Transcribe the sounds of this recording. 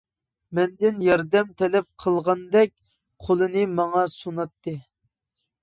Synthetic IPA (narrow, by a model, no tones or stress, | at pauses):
mɛnd̪ɪnjɑɾd̪ɛmt̪ʰɛlɛp̚qʰəlˠʁɑnd̪ɛk̚ʲ | qʰolˠɨnɨmɑŋɑsunɑt̪ʰːɨ